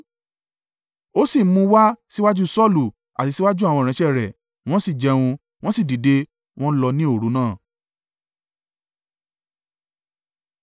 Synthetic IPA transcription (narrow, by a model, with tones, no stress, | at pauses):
o˦si˦˨˦mũ˧˦wa˦si˦wa˦d͡ʒu˦sɔ˦˨lu˨ | a˨ti˨˧si˦wa˦d͡ʒu˦a˦˨w̃ɔ̃˧˨ɾɛ̃˧˦ʃɛ˦˨ɾɛ˨ | w̃ɔ̃˦si˦˨d͡ʒɛ˧wũ˧ | w̃ɔ̃˦si˦˨di˨de˧ | w̃ɔ̃˦lɔ˧nĩ˦o˦˨ɾu˨˦nãː˦˨